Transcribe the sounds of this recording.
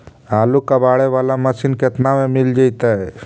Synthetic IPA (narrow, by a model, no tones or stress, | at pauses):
aːlukabaːɽeʋaːlaməsinket̪namẽmɪld͡ʒait̪aɦɛ